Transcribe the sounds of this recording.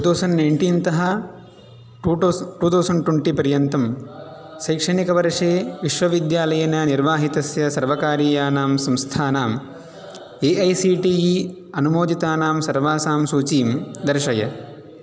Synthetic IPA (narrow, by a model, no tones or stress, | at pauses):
ʈuːt̪ʰɐwsɐnnɐjɳʈiːnt̪ɐɦɐ | ʈuːt̪ʰɐwsɐɳɖʈweɳʈipɐɾjɐnt̪ɐm | ʃɐjkʂɐɳikɐʋɐɾʂeːʋiʃʋɐʋid̪jaːlɐjɐnɐniɾʋaːɦit̪ɐsjɐsɐɾʋɐkaːɾiːjaːnaːmsɐmst̪ʰaːnaːm | eːʔɐjsiːʈiːji | ɐnumoːd̪it̪aːnaːmsɐɾʋaːsaːmsuːt͡ʃiːmd̪ɐɾʃɐjɐ